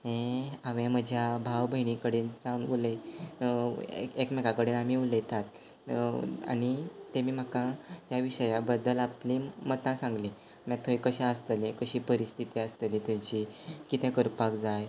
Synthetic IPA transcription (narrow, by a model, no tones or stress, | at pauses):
ɦẽaʋẽməd͡ʑʱjabʱaʋbʱəiɽikəɽiːnt͡sãʋulə | ekmɛkakəɽinam̤iːuləjt̪at̪ | a̰ɽ̃it̪emiːm̤akaɦjaʋiɕəjabəd̪ːəlaplimət̪ãsãŋɡli | mat̪ʰojkəɕɛ̃əst̪əlekəɕiːpəɾist̪ʰit̪iəst̪əlit̪jãt͡ɕikit̪ɛ̃kəɾpakd͡zaj